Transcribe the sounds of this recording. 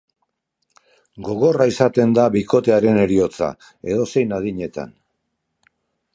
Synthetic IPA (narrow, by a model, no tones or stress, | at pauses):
ɡo̞ɣo̞raisat̪e̞nd̪aβiko̞t̪e̞aɾe̞ne̞ɾio̞t͡sa̰ | e̞ðo̞se̞jnað̞iɲe̞t̪a̰n